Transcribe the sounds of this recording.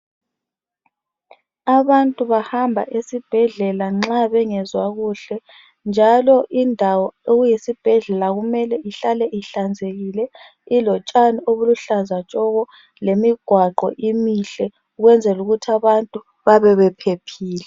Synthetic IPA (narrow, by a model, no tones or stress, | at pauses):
aβantʼuβahambʱa̰ʔesib̥ʱɛɮɛlaŋ͡ǁaβɛŋɛzwaɣuɬɛ | nd͡ʒʱalɔʔindʱawɔeɣujesib̥ʱɛɮɛlaɣumɛlɛʔiɬalɛʔiɬand͡zʱeɣilɛ | ilɔt͡ʃʼanioβuluɬazat͡ʃʼɔɣɔ | lemiɡ̥ʱwaɡ͡ǃɔ̰ʔimiɬɛ | uɣwɛnd͡zʱɛluɣutʰaβantʼu | βaβɛβɛpʰepʰiːlɛ